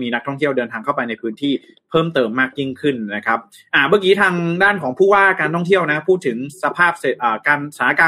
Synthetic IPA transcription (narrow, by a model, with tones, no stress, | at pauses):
miː˧na˦˥k̚t̪ʰɔ˥˩ŋt̪ʰi˥˩əwdɤː˧nt̪ʰaː˧ŋkʰa˥˩wpa˧jna˧jpʰɯː˦˥nt̪ʰiː˥˩ | pʰɤː˥˩mt̪ɤː˧mːaː˥˩k̚ji˥˩ŋkʰɯ˥˩nna˦˥kʰa˦˥p̚ | ʔa˧˩baː˧˩kiː˦˥t̪ʰaː˧ŋdaː˥˩nkʰɔː˩˦ŋpʰuː˥˩waː˥˩kaː˧nt̪ʰɔ˥˩ŋt̪ʰi˥˩əwna˦˥pʰuː˥˩t̪ʰːɯ˩˦ŋsa˧pʰaː˥˩p̚se˨˩t̪ʔaː˨˩kaː˧nsaː˨˦˥kaː˧